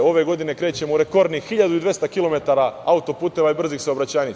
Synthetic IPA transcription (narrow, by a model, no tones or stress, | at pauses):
o̞ʋe̞ɡo̞d̪ine̞kɾeːt͡ɕe̞mouɾe̞ko̞ɾd̪nixiʎad̪uid̪ʋe̞st̪akilo̞me̞t̪aɾaaut̪o̞puːt̪e̞ʋaibr̩zixsaobɾat͡ɕaːɲi